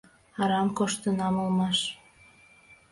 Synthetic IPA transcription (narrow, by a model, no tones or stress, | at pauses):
ɑɾɑmkoʃt̪ənɑmolmɑʃ